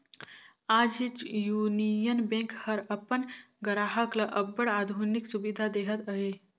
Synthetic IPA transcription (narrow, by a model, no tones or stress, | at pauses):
aːd͡ʒit͡ʃjuːnijənbẽŋkhəɾəpən | ɡəɾaɦəklaʔɐbːəɽaːd̪ʱuniksubid̪ʱad̪eːɦət̪əɦe